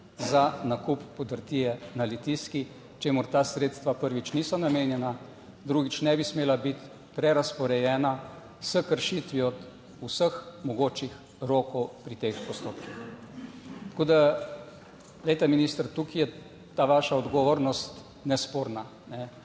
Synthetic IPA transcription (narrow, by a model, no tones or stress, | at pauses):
zanakupːɔd̪əɾt̪iːjɛnalit̪iski | t͡ʃeːmʊɾt̪aːsɾeːt̪st̪ʋapəɾʋit͡ʃniːsɔnameːnjɛna | d̪ɾuːɡit͡ʃnɛbismeːlabit̪ | pɾɛɾaspɔɾɛjɛːna | səkəɾʃit̪ʋiɔd̪ | usəxmɔɡoːt͡ʃix | ɾoːkɔwpɾit̪expɔst̪oːpkix | t̪ḁkoːd̪a | d̪ɛjt̪ɛminiːst̪əɾt̪ukijɛ | t̪aːʋaːʃaɔd̪ɡɔʋoːɾnɔst̪ | nɛspoːɾna | nɛ